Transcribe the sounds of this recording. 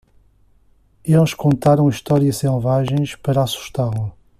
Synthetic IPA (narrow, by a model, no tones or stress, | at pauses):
elˠʃkõnt̪aɾɐ̃w̃iʃt̪ɔɾiɐʃselˠvaʒẽj̃ʃpɐɾɐasu̥ʃt̪aɾlɐ